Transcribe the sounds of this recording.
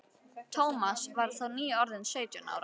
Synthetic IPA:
t̪ʰowmasvaɾθawniːɔɾðɪnsœːɥt̪ʏna̰ːwɾ

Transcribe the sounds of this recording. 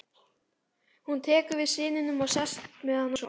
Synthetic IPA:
hunt̪ʰɛːkʏɾvɪðsɪːnɪnʏmɔɣsɛst̪mɛðhanːaɔ

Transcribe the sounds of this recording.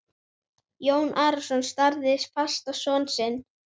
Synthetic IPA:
joːwnʔaːɾasɔnst̪aɾðɪsfast̪asɔːnsɪnː

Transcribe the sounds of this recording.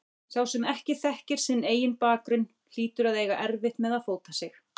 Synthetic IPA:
sawsɛmɛhcɪθɛhcɛɾ̥sɪnːeːjɪnpaːkɾʏn | l̥iːt̪ʏɾaðeːjɣaʔɛɾvɪht̪mɛðaðfoːwt̪asɪx

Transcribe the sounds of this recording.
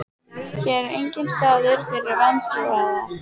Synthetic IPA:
çɛɾɪɾejɲcɪnst̪aːðʏɾθɪɾɪɾansɾvaːða

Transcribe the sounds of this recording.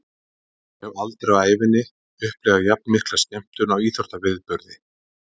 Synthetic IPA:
ɛwalt̪ɾaaːjvɪnːɪ | ʏhplɛɣajap̚nmɪhklḁst̪ɛm̥t̪ʏnawiːθɔ̥t̪avɪðpʏɾðɪ

